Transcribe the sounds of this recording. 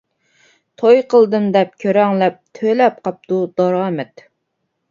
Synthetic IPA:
t̪ʰojqʰəlˠd̪ɨmd̪ɛp̚kʲʰøɾɛŋlɛp̚t̪ʰøjlɛp̚qʰɑp̚t̪ud̪ɑɾɑːmɛt̪

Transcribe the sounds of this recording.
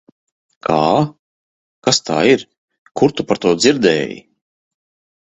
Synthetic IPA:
kʰaː | kast̪a̰ːiɾ | kuɾt̪upaɾt̪uɔd̪ziɾd̪ɛːjḭ

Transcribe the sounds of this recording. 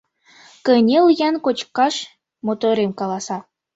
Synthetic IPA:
kənʲeljɑnkot͡ɕkɑʃ | mot̪oɾemkɑlˠɑsɑ

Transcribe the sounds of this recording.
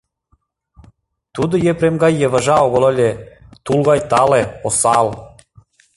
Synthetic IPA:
t̪ud̪ɤ̆jepɾemɡɑjeβɑʒɑoɣŏlə̆lʲet̪ulɣɑjt̪ɑleosɑl

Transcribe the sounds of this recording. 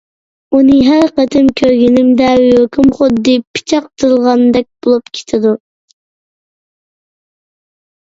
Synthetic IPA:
unɨɦæɾqɛt̪ʰɪmkʲʰøɾɡʲinɪmd̪ɛjøkʲʰumχʊd̪ːɨpʰi̥t͡ʃʰɑq̚t̪ʰɨɾlˠʁɑnd̪ɛk̚ʲb̥olˠupkʲʰe̥t̪ʰɪd̪u

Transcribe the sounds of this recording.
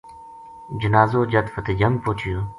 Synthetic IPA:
d͡ʒənaːzoːd͡ʒət̪fət̪eːd͡ʒəmpoːt͡ʃʰɪjoː

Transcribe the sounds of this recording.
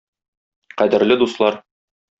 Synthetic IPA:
qæd̪ɘ̆ɾlɘd̪uslˠɑɾ

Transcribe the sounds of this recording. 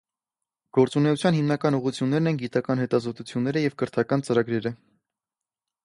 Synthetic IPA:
ɡ̥ɔɾt͡sunɛut͡sʰjɑnhimnɑkɑnuʁut͡sʰjunːɛɾnɛnɡit̪ɑkɑnhɛt̪ɑzɔt̪ut͡sʰjunːɛɾəjɛvkəɾt̪ʰɑkɑnt͡səɾɑɡɾɛɾə

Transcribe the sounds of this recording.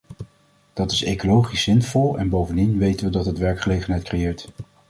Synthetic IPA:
d̥ɑtɪsejkolowχisɪnfɔlˠɛ̰nbowvəndinʋejtənʋədɑtɦətʋɛɹkχəlejχənɦɛjt̚krejɪːɹt

